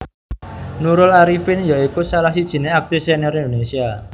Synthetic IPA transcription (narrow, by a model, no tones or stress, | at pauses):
nuɾʊlaɾifɪnjaikusalahsid̥ʒ̥i̤neak̚t̪ɾiseneɾind̪onesia